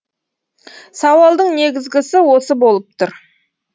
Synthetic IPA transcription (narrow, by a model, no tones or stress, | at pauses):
sɑwɑlˠd̪əɴne̞ɡʲɪzɡʲɪsɪwo̞səbo̞lˠəp̚t̪ʰʊɾ